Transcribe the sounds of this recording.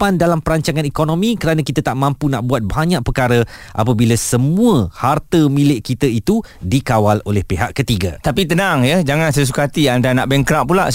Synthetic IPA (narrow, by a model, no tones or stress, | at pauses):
pandalampəɾaɲt͡ʃaŋãnikonõmĩkəɾanãkit̪at̪aʔmãmpunaʔbuat̪̚baɲaʔpərkaɾəʔa̰pəbilasəmũəhart̪əmĩlɪʔkit̪əit̪udikawalolɛhpeɦaʔkːət̪iɡa̰t̪apit̪ənaŋjəd͡ʒaŋãnsajs̬ukat̪iandanaʔbɛŋkɾap̚pːulaʔ